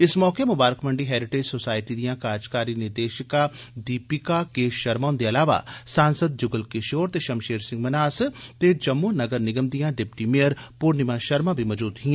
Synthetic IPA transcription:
ɪsmɔːkemʊbaːɾəkmɐ̃ɳɖiɦɛːɾɪʈeːd͡ʒsoːsaːɪʈid̪ijãːkaːd͡ʒkaːɾinɪɾd̪eːʃɪkad̪iːpɪkakeʃɐɾmaːnd̪eɐlaːʋa̰sãːnsəd̪̚d͡ʒʊɡəlkɪʃoːɾt̪eːʃɐmʃeːɾsɪ̃ŋɡmɐnaːst̪ed͡ʒɐmːunɐɡəɾnɪɡəmd̪ijãːɖɪpʈimiəɾpuːɾnɪmãʃɐɾmãbʱimɔːd͡ʒuːd̪ɦĩɛ̃ː

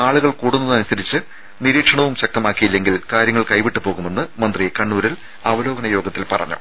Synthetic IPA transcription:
aːɭuɣɐɭkuːɽunːɐnɐnusɐɾit͡ɕːɨ | niɾiːkʂɐɳɐʋumɕɐk̚t̪ɐmaːkːijilːe̞ŋɡilkaːɾjɐŋːɐɭkɐjʋiʈːɨpo̞ːɣume̞nːɨmɐnd̪rijekɐɳːuːɾil | ɐʋɐlo̞ːɡɐnɐjo̞ːɡɐt̪ːilpɐ̰rɐ̰ɲːṵ

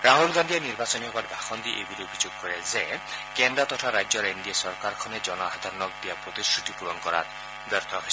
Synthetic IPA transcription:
ɾaɦolɡand̪ieniɾbasɔniɦɔkaɾbʱaxɔnd̪iʔebiɾobʱid͡ʒoɡ̚kɔɾezekendɾat̪ɔtʰaɾajd͡ʒɔɾindiasɔɾkaɾkʰɔned͡ʒɔnɔaad̪ʱaɾɔnɔk̚d̪iapɾot̪iskɾut̪ipuɾɔnkɔɾa̰t̪ | bɔɾt̪ʰɔɦoj

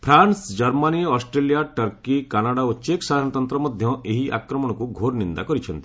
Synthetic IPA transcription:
pʰɾansd͡ʒɔɾmaniɔɔsʈɾelijaʈɐɾkikanaɽaot͡ʃeksad̪ʱaɾɽ̃ɔt̪ɔnt̪ɾɔmɔd̪ʱjɔ̃ʔeɦiʔa̰kɾɔmɔɽ̃ɔkuɡʱoɾnind̪a̰kɔɾit͡ʃʰɔnt̪i̥

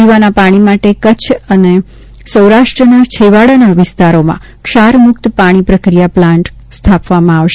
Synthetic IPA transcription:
iʋanapaɽ̃imaʈekət͡ʃʰəne | səwɾaʃʈɾənat͡ʃʰeʋaɽanaʋɪst̪aɾomã̰ | kʃaɾmʊkt̪paɽ̃ipɾəkɾijaplãɳʈ | st̪ʰapʋamãaʋʃe

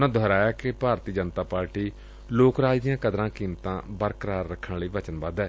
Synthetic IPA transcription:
nãːd̪ʱɔːɾaːjaːkepaːɾt̪iːd͡ʒənt̪aːpaːɾʈiː | loːkɾaːd͡ʒd̪ijãːkəd̪ɾãːkiːmt̪ãːbəɾkəɾaːɾːəkʰːənliːʋət͡ʃənbaːd̪ɛː

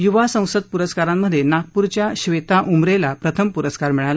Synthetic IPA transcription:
juʋasə̃w̃səd̪̚puɾəskaɾamːəd̪ʱːjenak̚puɾt͡ɕjaɕʋet̪aʔumɾelapɾət̪ʰəmpuɾəskaɾmiɭal

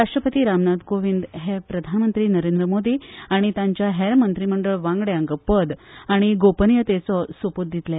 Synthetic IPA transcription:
aʂʈɾəpət̪iːɾamnat̪koʋind̪ɦepɾəd̪ʱanmənt̪ɾiːnəɾend̪ɾəmod̪iːaɽ̃it̪jãɲt͡ɕjaɦeɾmənt̪ɾiməɳɖəɭʋãŋɡɽjãŋkpəd̪aɽ̃iɡopənjət̪et͡sɔsʋoput̪̚d̪it̪la

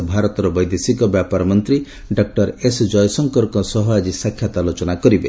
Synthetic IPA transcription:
bʱaɾɔt̪ɔɾɔbɔjd̪esikɔbjapaɾɔmɔnt̪ɾi | ɖɔk̚ʈɔɾesd͡ʒɔjsɔŋkɔɾkɔsɔɦɔad͡ʒisakʰːjat̪alot͡ʃɔnakɔɾibe

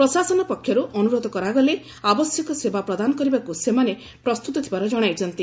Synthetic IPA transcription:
pɾɔsasɔnɔpɔkʰːjɔɾuʔɔnuɾod̪ɔkɔɾaɡɔle | abɔsjɔkɔsebapɾɔd̪anɔkɔɾibakusemane | pɾɔst̪ut̪ɔt̪ʰibaɾɔd͡ʒɔɽ̃ajt͡ʃʰɔnt̪i

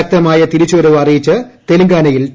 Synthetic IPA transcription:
ɐk̚t̪ɐmaːjɐt̪iɾit͡ɕːɐɾɐʋɐrijit͡ɕːɐt̪eluŋɡaːnɐjil

